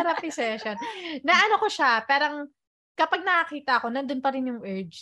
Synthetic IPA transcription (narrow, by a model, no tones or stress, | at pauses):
ɐɾɐpɪsɛʃonnːɐʔɐnokoʃapɛːɾɐŋ | kɐpaɡ̚nɐkɐkiːt̪ɐʔɐko̞nɐnd̪onpɐɾɪnjʊŋʔɛɹd͡ʒ